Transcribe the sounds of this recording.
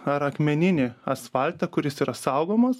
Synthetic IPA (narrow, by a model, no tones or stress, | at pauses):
ɐɾɐkmʲɛnʲɪnʲɪɐsfɐlʲt̪ɐkʊɾʲɪsiːɾɐsɐʊɡoːmɐs